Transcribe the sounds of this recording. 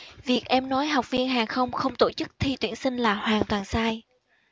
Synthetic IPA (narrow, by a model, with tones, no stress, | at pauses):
vi˨˩ək̚ʔɛ˧mnɔ˨˦jɦa˨˩wk͡p̚vi˧ənɦaː˨˩ŋxə˧wŋ͡mxə˧wŋ͡mt̪o˧˩t͡ɕɨ˦˥k̚t̪ʰi˧t̪wi˧˩ənsï˧ŋ̟laː˨˩hwaː˨˩ŋt̪waː˨˩nsaː˧j